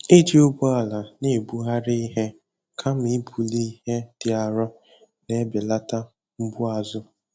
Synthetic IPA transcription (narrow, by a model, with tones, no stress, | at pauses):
i˦d͡ʒi˦ʊ˦bʊ˦a˨la˨nɪ˦˨bu˦ɦa˦ɾi˦ɦe˦ | kʰa˦m̩˦i˦bu˨li˦ɦe˦d̥ɪ˨a˨ɾɔ˦ | ne˦bɪ˨la˦ta˦ | m̩˦bʊ˦a˨zʊ˦